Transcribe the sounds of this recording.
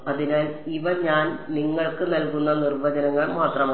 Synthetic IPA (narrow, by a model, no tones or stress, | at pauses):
ɐðinaːliʋɐɲaːnniŋːɐɭkɨnɐlkunːɐnirʋɐd͡ʑɐnɐŋːɐɭmaːt̪rɐmː